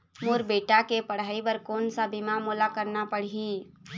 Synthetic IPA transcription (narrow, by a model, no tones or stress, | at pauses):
moːɾbeːʈakepɐɽ̤aːibɐɾkoːnsabimamoːlakəɾnapəɽ̤iː